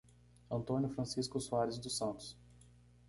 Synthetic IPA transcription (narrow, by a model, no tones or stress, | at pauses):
ɐ̃nt̪õnjʊfɾɐ̃siskʊsuaɾɪzd̪ʊsɐ̃nt̪ʊ̥s